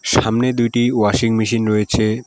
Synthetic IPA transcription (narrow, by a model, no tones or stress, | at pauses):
ʃamned̪ujʈiwaʃiŋmiʃinɾɔet͡ɕʰe